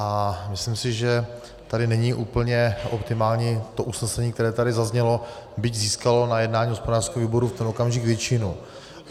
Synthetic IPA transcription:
ʔamɪslɪmsɪʒɛ | t̪adɪnɛɲiʔuːpl̩ɲɛʔopt̪ɪmaːlɲiːt̪o̞ʔusnɛsɛɲiːk̚t̪ɛɾɛːt̪adɪzazɲɛlo̞bɪɟziːskalo̞najɛdnaːɲiːɦospodaːr̥skɛɦoviːbo̞ɾuft̪ɛno̞kamʒɪɡvjɛt͡ʃɪnu

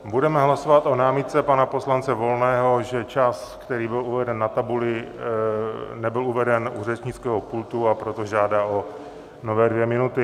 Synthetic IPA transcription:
budɛmɛɦlaso̞vat̪o̞naːmɪt̪̚t͡sɛpanapo̞slant͡sɛvo̞lnɛːɦo̞ʒɛt͡ʃaskt̪ɛɾiːbɪluvɛdɛnːat̪abulɪ | nɛbɪluvɛdɛnurɛt͡ʃɲɪt͡skɛːɦopult̪uapɾot̪o̞ʒaːdaːʔo̞ | no̞vɛːdvjɛmɪnut̪ɪ

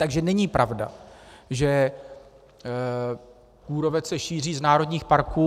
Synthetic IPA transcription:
t̪aɡʒɛnɛɲipɾʔavda̰ʒɛ | kuːɾo̞vɛsɛʃiːr̝iːznaːɾo̞dɲiːxpaɾkuː

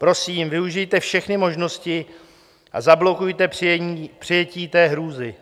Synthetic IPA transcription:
pɾo̞siːmvɪuʒɪjt̪ɛfʃɛxnɪmo̞ʒno̞scɪ | ʔa̰zablo̞kujt̪ɛpr̥ɪjɛciːt̪ɛːɦɾuːzɪ

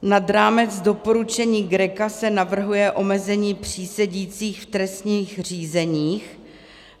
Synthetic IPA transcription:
nadɾaːmɛt͡sdo̞po̞ɾut͡ʃɛɲiːɡɾɛkasɛnavr̩ɦujɛʔo̞mɛzɛɲiːpr̝̥iːsɛɟiːt͡siːxft̪ɾɛst̪ɲiːxr̝iːzɛɲiːx

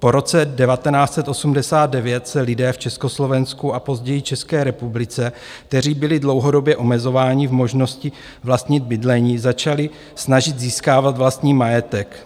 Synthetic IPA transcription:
po̞ɾo̞t͡sɛdɛvat̪ɛnaːt͡sɛt̪ʔo̞sumdɛsaːd̪̚dɛvjɛt̪sɛlɪdɛːft͡ʃɛsko̞slo̞vɛnskuapo̞zɟɛjɪt͡ʃɛskɛːɾɛpublɪt͡sɛ | k̚t̪ɛɾ̝iːbɪlɪdlo̞wɦo̞do̞bjɛʔo̞mɛzo̞vaːɲɪvmo̞ʒno̞scɪ | vlast̪ɲɪd̪̚bɪdlɛɲiːzat͡ʃalɪ | snaʒɪd̪ziːskaːvat̪vlast̪ɲiːmajɛt̪ɛk

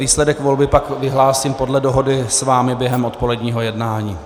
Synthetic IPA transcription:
iːslɛdɛkvo̞lbɪpakvɪɦlaːsiːmpo̞dlɛdoɦo̞dɪsvaːmɪbjɛɦɛmo̞t̪po̞lɛdɲiːɦo̞jɛdnaːɲiː

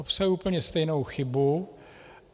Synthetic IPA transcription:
opsajuːpl̩ɲɛst̪ɛjno̞wxɪbu

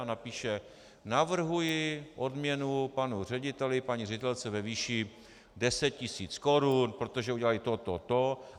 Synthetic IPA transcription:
napiːʃɛ | navr̩ɦujɪʔo̞dmɲɛnupanur̝ɛɟɪt̪ɛlɪpaɲirɛɟɪt̪ɛlt͡sɛvɛviːʃi | dɛsɛt̪̚cɪsiːt͡sko̞ɾunpɾot̪oʒɛuɟɛlaɪt̪ot̪ot̪o

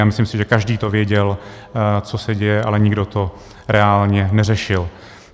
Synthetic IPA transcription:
aːmɪslɪmsɪʒɛkaʒdiːt̪o̞vjɛɟɛl | t͡so̞sɛɟɛjɛʔalɛɲɪɡdo̞t̪o̞ | ɾʔɛaːlɲɛnɛrɛʃɪl

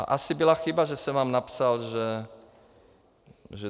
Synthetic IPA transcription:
a̰ʔasibɔlaxibaʒɛsɛmaːmnapsalʒɛ | ʒɛ

